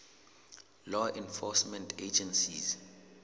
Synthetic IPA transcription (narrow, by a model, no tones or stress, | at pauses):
lɔʔɛ̃nfɔsmɛ̃ntʰed͡ʒɛ̃nsḭz